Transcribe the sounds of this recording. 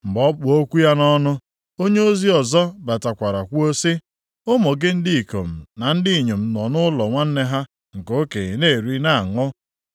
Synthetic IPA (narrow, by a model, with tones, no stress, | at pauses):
m̩˨ɡ͡bɔ˦k͡pʊ˨o˦kʷu˦ja˦nɔ˦nʊ˦ | o˦ɲe˦o˦zi˦ɔ˨zɔ˦ba˨ta˨kʷa˨ɾa˨kʷu˦o˦si˦ | ʊ˦mɔ˨ɡɪ˦n̩˦dɪ˦i˨ko̰˨m̩˨na˨n̩˦dɪ˦˨ɲe˨m̩˨nɔ˨nʊ˦lɔ˨ŋʷa˦n̩˦ne˦ɦa˦ | ŋ̩˨ko˦ke˨ne˦˨ɾi˦na˦a˨ŋʊ˦